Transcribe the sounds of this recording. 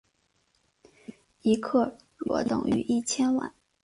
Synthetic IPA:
i˧˥kʰɤ˥˩ | ɻwɔ̰˧˥t̪ʊ̰˥˩ŋy̰˧˥ʔi˥˩t͡ɕʰjɛ˥nwa̰˥˩˦n

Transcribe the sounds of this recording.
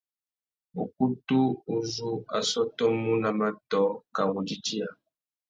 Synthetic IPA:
o̰˨ku˦tu˦u˦zu˦a̰˨sɔ˦tɔ˦mu˦na˨ma˦tɔ˦ka˨wu˨d͡ʒi˦t͡ʃi˦a˨

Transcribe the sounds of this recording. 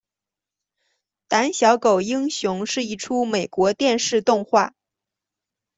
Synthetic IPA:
t̪a˧˥nɕjɑ˧˥ʊko˨˩ʊi˥ŋɕjʊ˧˥ŋʂɻ̩˥˧i˥˩ʈ͡ʂʰu˥me˨˩ɪkwɔ˧˥t̪jɛ˥˧nʂɻ̩˥˧t̪ʊ˥˧ŋxwa˥˩

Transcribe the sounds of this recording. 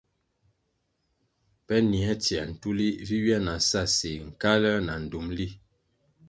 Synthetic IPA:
pɛ˦ni˨ɛ˦tjɛ˨n̩˨tu˦li˦vi˦ɥjɛ˦na˨sa˦˨se˨ŋ̩˨ka˦lɛ˦na˨n̩˨du˨˦mli˦

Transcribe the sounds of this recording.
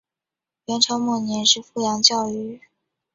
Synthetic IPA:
jɛ˧˥ŋʈ͡ʂʰɑ˥mwɔ˥˩njɛ˧˥nʂɻ̩˥˧fu˥˩jɑ˧˥ŋt͡ɕjɑ˥˧ʊy˥˩

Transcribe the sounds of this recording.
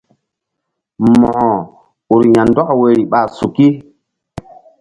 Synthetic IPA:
mɔ̃˨hɔ̃˨ | u˨ɾɲã˨ndwa˦kwe˨ɾi˨ɓa˨su˨ki˦

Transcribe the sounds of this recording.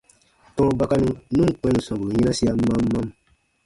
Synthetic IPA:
tɔ̃˦ɾɔ˦ba˦ka˦nũ˦nũ˦˨k͡pɛ̃˨˦nũ˨sã˨bu˨lu˨ɲĩ˦ã˦si˦a˦mã˦mː˦ã˦m

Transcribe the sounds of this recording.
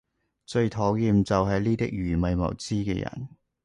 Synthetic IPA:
t͡ʃɵ˧ɥt̪ʰɔː˨˥wjiː˧mt͡sɐ˨wɦɐ˨jliː˥t̪ɪ˥k̚jyː˨˩mɐ˨˧jmɐ̰˨˩wt͡siː˥kɛ̰ː˧jɐ̰˨˩n

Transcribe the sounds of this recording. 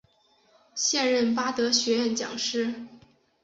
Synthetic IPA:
ɕjɛ˥˧nɻə˥˩npa˥t̪ɤ˧˥ɕɥɛ˧˥ɥɛ˥˩nt͡ɕjɑ̰˨˩ŋʂɻ̩˥˩

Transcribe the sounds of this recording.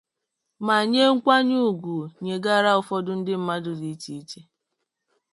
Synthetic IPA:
ma˨ɲe˦ŋ̩˦kʷa˦ɲu˦˨ɡʷu˨ɲe˨ɡa˦˨ɾa˦ʊ˨fɔ˦dʊ˦n̩˦dɪ˦m̩˦ma˦dʊ˨di˨˦t͡ʃi˦i˦t͡ʃe˦

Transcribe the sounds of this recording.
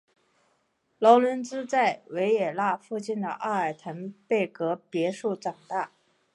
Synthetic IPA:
lɑ˧˥ʊlə˧˥nt͡sɹ̩˥t͡sa˥˩ɪwe˧˥ɪɛ˨˩la˥˧fu˥˧t͡ɕi˥˩nd̪ə̰˩ʔa˥˩a˨˩ɪt̪ʰa˧˥npe˥˩ɪkɤ˧˥pjɛ˧˥ʂu˥˩ʈ͡ʂɑ˨˩ŋt̪a˥˩

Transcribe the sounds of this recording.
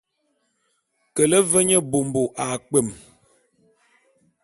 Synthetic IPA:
kə˨lə˦və˦ɲə˦bo˨m˨bo˨ʔa˨k͡pə˨m

